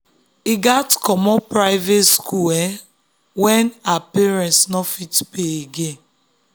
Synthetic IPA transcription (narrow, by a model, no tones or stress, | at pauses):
iɡatkɔmɔpɾaɪvetskuɛ | wɛnapiɾɛ̃nsnɔfitpeeɡe